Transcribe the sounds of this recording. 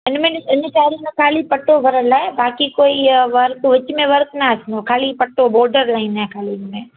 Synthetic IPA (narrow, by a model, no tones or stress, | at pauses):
ɪnmẽnɪnt͡ʃaːɾĩnẽkʰaːlipɐʈobʱɐɾəlaɦebaːkikoːiʋɐɾk̪ʋɐt͡ʃmẽʋɐɾk̪naːsnokʰaːlipɐʈoboːɖəɾlaːɪnaɦekʰaːlimẽː